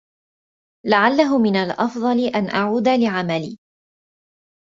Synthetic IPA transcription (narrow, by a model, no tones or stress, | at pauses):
laʕalːaɦʊmɪnalʔɑfd̪ˤɑlɪʔanʔaʕuːd̪alɪʕamalḭː